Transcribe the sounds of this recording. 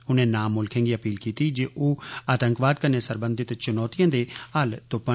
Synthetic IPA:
ʊnẽːnaːmːʊlkʰẽːŋɡiːəpiːlkiːt̪iːd͡ʒeːʔoːaːt̪əŋkʋaːd̪̚kəneːsəɾbə̃nd̪ɪt̪t͡ʃʊnɔːt̪ijãːd̪eːaːlt̪ʊpə

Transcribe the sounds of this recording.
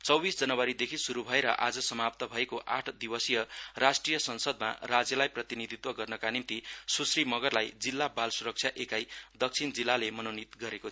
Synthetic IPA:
t͡sʌwbisd͡zʌnʌwaɾid̪ekʰisuɾubʱʌeɾʌ̰ʔad͡zʌsʌmap̚t̪ʌbʱʌekoʔa̰ʈʰd̪ibʌsijʌrasʈrijʌsʌnsʌd̪̚ma̰rad͡zjʌlajprʌt̪inid̪ʱit̪wʌɡʌrnʌkanimt̪isusrimʌɡʌrlajd͡zilːabalsuɾʌk̚t͡sʰjaʔekajd̪ʌk̚t͡sʰind͡zilːalemʌnʌwnit̪ɡʌɾekot̪ʰ

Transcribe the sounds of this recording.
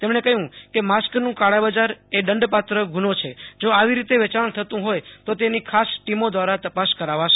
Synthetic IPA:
t̪emɳekəɦjũkemasknũkaɽabad͡ʒaɾeɖəɳɖpat̪ɾəɡʱunot͡ʃʰed͡ʒoaʋiɾit̪eʋɛt͡ʃaɳ̃t̪ʰət̪ũɦojt̪ot̪enikʰasʈimod̪ʋaɾat̪əpaskəɾaʋaʃe

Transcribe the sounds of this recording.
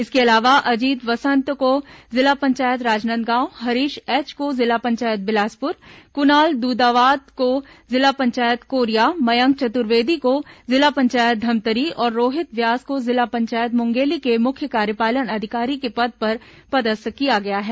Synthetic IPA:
ɪskeɐlaːʋaʔɐd͡ʒiːd̪ʋɐsə̃nt̪kozɪlapɐ̃ɲt͡ʃaːjət̪ɾaːd͡ʒnə̃nd̪ɡãːwɦɐɾiːʃɛːt͡ʃkozɪlapɐ̃ɲt͡ʃaːjət̪̚bɪlaːspʊɾkʊnaːld̪uːd̪aːʋaːd̪ko | zɪlapɐ̃ɲt͡ʃaːjət̪koːɾijamɐjə̃ŋɡ̚t͡ʃɐt̪ʊɾʋeːd̪ʱikozɪlapɐ̃ɲt͡ʃaːjət̪̚d̪ʱɐmt̪əɾiɔːɾːoːɦɪt̪ʋjaːzkozɪlapɐ̃ɲt͡ʃaːjət̪mʊ̃ŋɡeːlikemʊkʰjəkaːɾjəpaːlənɐd̪ʱɪkaːɾikepɐd̪̚pɐɾpɐd̪əskijaɡɐjaɦɛː

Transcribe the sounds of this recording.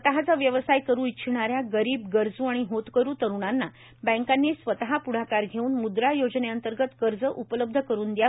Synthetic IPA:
t̪əɦat͡saʋjəʋəsajkəɾuːitɕʰɳ̃aɾjaɡəɾiːbɡəɾd͡zũaɽ̃iɦot̪kəɾuːt̪əɾuɽ̃anːa | bə̃ŋkanːisʋət̪əɦapuɽ̤akaɾɡʱeuːnmud̪ɾajod͡zneənt̪əɾɡət̪ɡəɾd͡zəʔupələb̚d̪ʱəkəɾuːnd̪ja

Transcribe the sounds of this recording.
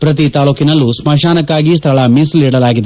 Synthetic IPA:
pɾɐt̪̬it̪aːluːkinɐlːusmɐʃaːnɐkːaːɡis̬t̪ʰɐɭɐmisliːɽɐlaːɡid̪e

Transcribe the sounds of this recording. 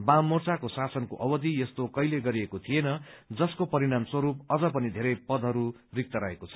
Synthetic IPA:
bamːort͡sakosasʌnkoʔʌbʌd̪ijʌst̪okʌjleɡʌɾiekot̪ʰienʌd͡zʌskopʌɾiɽamswʌɾupʌd͡zʌpʌnid̪ʱeɾʌjpʌd̪ʱɦʌɾu | rik̚t̪ʌɾʌekot͡sʰʌ̥

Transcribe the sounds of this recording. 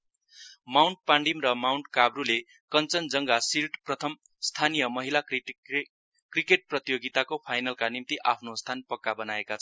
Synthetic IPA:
mawɳʈ̚paɳɖimrʌmawɳʈkabrule | kʌnt͡sʌnd͡zʌŋɡasilʈprʌt̪ʰʌm | st̪ʰanijʌmʌɦila | krikeʈ̚prʌt̪ijoɡit̪akopʰajnalkanimt̪iʔapʰnost̪ʰanpʌkːabʌnaekat͡sʰʌ

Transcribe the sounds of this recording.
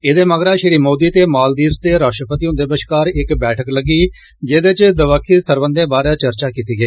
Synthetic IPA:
ɪd̪eːməɡɾaːʃɪɾiːmoːd̪iːt̪eːmaːld̪iːzt̪eːɾaːʃʈɾəpət̪iːʊ̃nd̪eːbəʃkaːɾɪkbɛːʈʰəkləɡiː | d͡ʒeːd̪eːt͡ʃd̪əʋəkʰːiːsəɾbənd̪ẽːbaːɾaːt͡ʃəɾt͡ʃaːkiːt̪iːɡəiː

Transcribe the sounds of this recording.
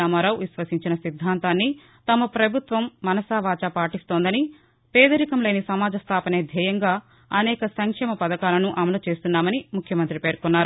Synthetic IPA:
aːmaːɾaːwʋisʋɐsiɲt͡ʃinɐsid̪ʱːaːnt̪aːnːi | t̪ɐmɐpɾɐbʱut̪ʋɐmːɐnɐsaːʋaːt͡ʃaːpaːʈist̪o̞ːnd̪ɐni | pɛːd̪ɐɾikɐmle̞ːnisɐmaːd͡ʒɐst̪ʰaːpɐneːd̪ʱɛːjɐŋɡaː | ɐnɛːkɐsɐŋkʂɛːmɐpɐd̪ɐkaːlɐnuʔɐmɐloːt͡ʃe̞ːst̪unːaːmɐnimukʰjɐmɐnt̪ɾipe̞ːɾkunːaːɾu

